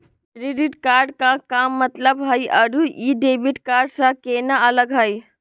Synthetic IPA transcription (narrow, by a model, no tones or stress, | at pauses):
kɾiɖiʈkaːɾɖkakaːmːət̪ləbɦəjəɾuiɖebiʈkaːɾɖsãkenaələɡɦəj